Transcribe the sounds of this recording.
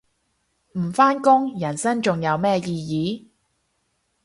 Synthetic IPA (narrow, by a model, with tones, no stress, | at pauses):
m̩˨˩faː˥nkʊ˥ŋjɐ˨˩nsɐ˥ŋt͡sʊ˨ŋjɐ˨˧wmɛː˥jiː˧jiː˨˧˦